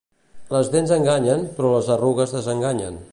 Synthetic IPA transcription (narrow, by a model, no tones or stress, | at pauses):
ləzðenzəŋɡaɲənpɾɔləzəruɣəzðəzəŋɡaɲə̰n